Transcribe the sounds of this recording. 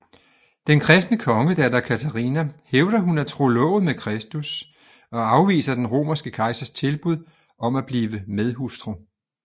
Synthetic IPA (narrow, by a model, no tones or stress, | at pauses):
d̥enkʰʁɛsd̥nəkʰɒ̽ŋəd̥ædækʰæt͡sʰæʁḭnæheʊd̥ɐɦunæt͡sʰʁo̝lɔ̰̽ʊðˠmekʰʁɛsd̥us | ɒ̽ɑ̈ʊʋḭːsɐd̥enʁo̝̰ːmɐsɡ̥əkʰɑ̈ɪsɐst͡sʰe̝lb̥uð̰ˠ | ʔɒ̽mæb̥liːʋəmeðˠɦusd̥ʁo